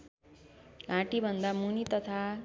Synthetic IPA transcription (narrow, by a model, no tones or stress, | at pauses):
ɡʱãʈibʱʌnd̪amunit̪ʌt̪ʰa